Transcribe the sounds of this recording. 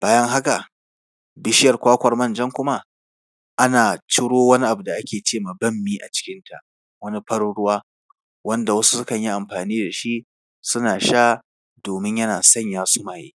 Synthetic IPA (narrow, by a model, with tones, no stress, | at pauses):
b̥aː˦jɐ˦ŋɦa˦ka˨ | bɪ˦ʃɪ˦jɐ˨rkʷaː˦kʷɐ˨rmɐ˦˨nd͡ʒɐ˦ŋkʷʊ˦ma˦ | ʔa˦naː˨t͡ʃɪ˦ɽoː˦wɐ˦ni˦ʔa˨bu˨da˨ʔa˦kʲeː˨t͡ʃeː˦˨maː˨bɐ˦˨mːiː˦ʔa̰˨t͡ʃɪ̥˦kʲɪ˦ntʰa̰˨ | wɐ˦ni˦ɸɐ˦ɽɽʊ˦waː˦ | wɐ˦nda˨wɐ˦su̥˦sʊ˦kɐ˨ɲji˦ʔa˨mɸaː˨niː˦da˨ʃi˦ | sʊ˦naː˨ʃaː˦ | doː˨mɪ˦ɲjɐ˦naː˨sɐ˦ɲjaː˦sʊ˦maː˨jḛː˦